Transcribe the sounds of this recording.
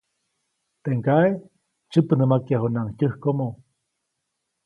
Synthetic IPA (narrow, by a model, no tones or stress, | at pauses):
t̪eʔŋkae | t͡ʃɨpənəmakjaɦunaŋc̪ʲɨhkomo